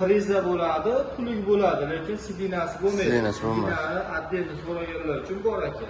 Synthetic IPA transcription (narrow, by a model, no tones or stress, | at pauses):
ɾɪzabolad̪ɪt̪ʰʊlɪkʲbolad̪ɪle̞kʲʰɪnsɪbinasɪbomajdinasɪbomnanɪad̪ːe̞nzoɾaɡʲanlaɾʊt͡ʃʰʊnbɒɾakʲʰa